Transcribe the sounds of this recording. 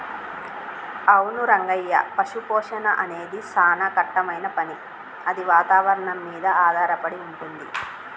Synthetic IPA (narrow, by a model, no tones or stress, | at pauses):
ɐwnuɾɐŋɡɐjːɐ̰pɐʂupɔːʂɐnɐʔɐne̞ːd̪isaːnɐkɐʈːɐmɐjnɐpɐni | ɐd̪iʋaːt̪aːʋɐɾɐɳɐmːiːd̪ɐaːd̪ʱaːɾɐpɐɽiuɳʈund̪i